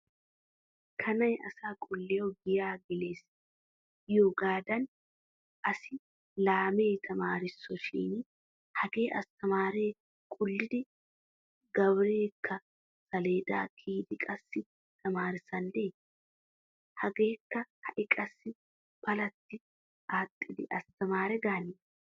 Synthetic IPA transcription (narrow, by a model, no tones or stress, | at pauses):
kʰɐnɐjʔɐ̰saːkʼʊlːɪjoɡɪjaːɡɪleːs | joːɡaːd̪ɐn | ʔɐsɪ | laːme̞ːt̪ʰɐmaːɾɪsːɔʃḭːn | hɐɡe̞ːʔɐ̰st̪ɐmaːɾe̞ː | kʼʊlːɪd̪ɪ | ɡɐβɾeːkʰːɐ | sɐle̞ːd̪a̰ːkʰiːd̪ɪkʼɐsːɪ | t̪ʰɐmaːɾɪsɐnd̪eː | hɐɡe̞ːkːɐhɐʔɪkʼɐsːɪ | bɐlɐt̪ːɪ | ʔaːt̪ʼːɪd̪ɪʔɐst̪ɐmaːɾɛɡaːnɪ